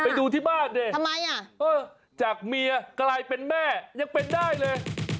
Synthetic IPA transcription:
pa˧jduː˧t̪ʰiː˥˩baː˥˩nde˧a˧mːa˧ja˨˩ʔɤː˧˩ | t͡ɕaː˨˩k̚mi˧ɐkɾa˧jpe˧nmɛː˥˩ja˧ŋpe˧ndaː˥˩jlɤː˧j

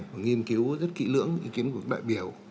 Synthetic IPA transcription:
vaː˨˩ŋi˧əmki˨˦wzə˦˥t̚kḭ˧˥lɨ̰˧˥əŋʔḭ˧˦ki˨˦ənk̚ɗa̰ː˧˨jɓi˨˩əw

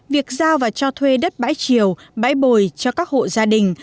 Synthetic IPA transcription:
vi˨˩ək̚zaː˧wvaː˨˩t͡ɕɔ˧t̪ʰwe˧ɗə˦˥t̚ɓa̰ː˧˥jt͡ɕi˨˩əwɓa̰ː˧˥jɓo˨˩jt͡ɕɔ˧kaː˦˥k̚ho̰˧˨zaː˧ɗï˨˩ŋ̟

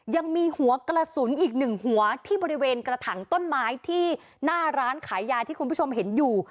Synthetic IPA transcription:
ja˧ŋmiː˧hu˩˦ɐkɾa˧su˩˦nʔiː˨˩k̚nɯ˨˩ŋhu˩˦ɐt̪ʰiː˥˩bɔː˧ɾi˦˥weː˧nkɾa˧t̪ʰa˩˦ŋt̪o˥˩nmaː˦˥jt̪ʰiː˥˩ | naː˥˩ɾaː˦˥nkʰaː˩˦jːaː˧t̪ʰiː˥˩kʰu˧npʰu˥˩o˧mɦe˩˦njuː˨˩

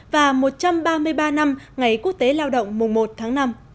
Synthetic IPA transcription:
vaː˨˩mo˨˩t̚t͡ɕa˧mɓaː˧mɨ˧əjɓaː˧na˧mŋa˨˩jku˦˥ək̚t̪e˨˦laː˧wɗə̰˧˨wŋ͡mmʊ˨˩ŋ͡mmo˨˩t̚t̪ʰaː˨˦ŋna˧m

